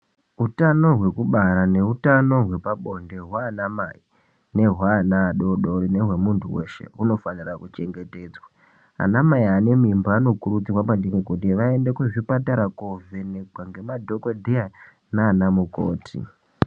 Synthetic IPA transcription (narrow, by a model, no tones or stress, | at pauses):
utano̞ɦwe̞kuɓaɾane̞utano̞ɦwe̞paɓo̞nde̞ɦwaːnamai | ne̞ɦwaːnaːɗoɗo̞ɾine̞ɦwe̞muntʰuwe̞̰ʃe̞̰uno̞fanirakut͡ʃe̞ŋɡe̞te̞ːd͡zwa | a̰namaiane̞mimbaano̞kuɾut͡sirwapandiŋekut̬iʋae̞ndekuʐipataɾakoveneɡʱwaŋɡe̞madʱo̞kodʱia | naːnamuko̰ːtʰḭ